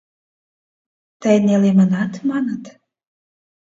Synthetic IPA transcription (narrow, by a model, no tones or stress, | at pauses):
t̪əjnelemənɑt̪mɑnə̆t̪